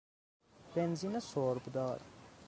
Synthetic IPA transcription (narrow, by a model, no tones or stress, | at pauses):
benzinɐsoːɾbd̪aːɾ